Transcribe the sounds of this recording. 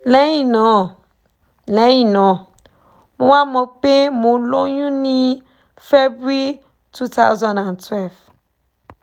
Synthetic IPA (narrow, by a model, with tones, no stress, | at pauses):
lɛ̃˦jĩ˨nɔ̃˨ | lɛ̃˨˦jĩ˨nɔ̃˨ | mũ˦wa˦mõ˨pe˦mõ˨lo˦ɲũ˦nĩ˦ | fɛ˦bi˦ | tʰu˦t̪a˦wzã˨nã˨ntwɛ˦˨lv